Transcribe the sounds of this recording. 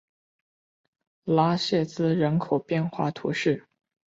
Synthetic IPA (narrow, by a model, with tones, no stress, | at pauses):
la˥ɕjɛ˥˩t͡sɹ̩˥ɻə˧˥nkʰo˨˩ʊpjɛ˥˧nxwa̰˥˩t̪ʰṵ˧˥ʂɻ̩˥˩